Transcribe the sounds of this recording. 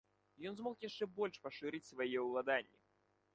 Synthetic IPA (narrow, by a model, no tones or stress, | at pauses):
jɔnzmɔkjaʂt͡ʂɛbɔlʲʂpɐʂɨɾɨt͡sʲsvajɛwlˠad̪anʲːi